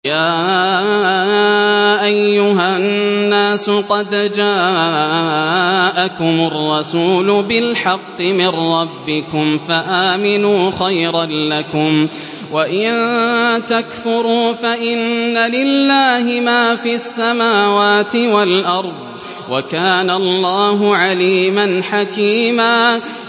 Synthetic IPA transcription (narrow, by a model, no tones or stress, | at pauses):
jaː | ʔajːʊɦaːaːsʊqɑd̪d͡ʒaː | ʔakʊmʊrˤːɑsuːlʊbɪlħɑqːɨmɪnːɑbːɪkʊmfaʔaːmɪnuːxajɾanlakʊm | waʔɪnt̪akfʊɾuːfaʔɪnːalɪlːaːhɪmaːfiasːamaːwaːt̪ɪwalʔɑɾˤðˤ | wʔakaːnalˤːɑːɦʊʕaliːmanħakiːmaː